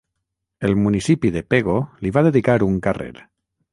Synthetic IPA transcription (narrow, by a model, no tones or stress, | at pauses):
elmunisipiðepeɣoliβaðeðikaɾuŋkarḛɾ